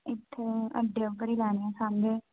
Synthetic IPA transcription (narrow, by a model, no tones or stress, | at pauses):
ɪt̪ʰːeə̰ɖeːʊbəɾiːlɛːneãːsaːnɡeː